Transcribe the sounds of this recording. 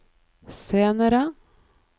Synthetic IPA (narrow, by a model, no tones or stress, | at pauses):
seːnəɾə